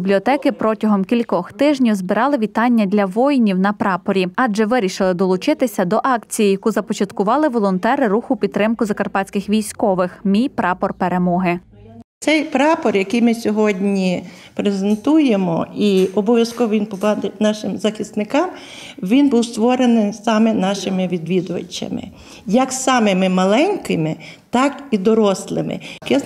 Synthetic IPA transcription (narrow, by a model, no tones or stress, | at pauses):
biblʲiɔt̪ɛkɪpɾɔtʲɐɦɔmkʲilʲkɔxt̪ɪʒnʲiwzbɪɾɑlˠɪʋʲit̪ɑnʲːɐd̪ʲlʲɐʋɔjnʲiwnɐpɾɑpɔɾʲiɑd͡ʒɛʋɪɾʲiʃɪlˠɪd̪ɔlˠʊt͡ʃɪt̪ɪsʲɐd̪ɔʔɑkt͡sʲijijɐkuzɐpɔt͡ʃɐt̪kʊʋɑlˠɪʋɔlˠɔnt̪ɛɾɪɾuxʊpʲid̪̚t̪ːɾɪmkʊzɐkɐrpɑt͡sʲkɪxʋʲijsʲkɔʋɪxmʲijpɾɑpɔrpeɾe̞mɔɦɪ | t̪sɛjpɾɑpɔrjɐkijmɪsʲɔɦɔdʲnʲipɾezent̪ujemɔ̰iɔbɔʋʲjɐskɔʋɔʋʲinpɔbɑd̪enɑʃɪmzɐxʲist̪nɪkɑm | ʋʲinbuwst̪ʋɔɾenɪjsɑmenɑʃɪmɪʋʲid̪ʋʲid̪ʊʋɐ̰t͡ʃʲːɐ̰mɪ̰ | jɐksɑmɪmɪmɐlˠɛnʲkɪmɪt̪ɑkid̪ɔɾɔslˠɪ̰mɪ̰kɛ